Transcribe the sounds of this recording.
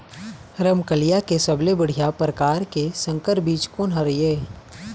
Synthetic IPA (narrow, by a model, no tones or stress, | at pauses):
ɾəmkəlijakesəblebəɽ̤ijapɾəkaːɾkesə̃ŋkəɾbiːt͡ʃkoːnɦaɾijeː